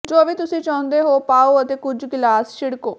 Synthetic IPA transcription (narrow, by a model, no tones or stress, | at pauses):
d͡ʒoːʋiːt̪ʊsĩːt͡ʃaːʊ̃nd̪eːɦoːpaːoːət̪eːkʊd͡ʒɡɪlaːsʃɪɽkoː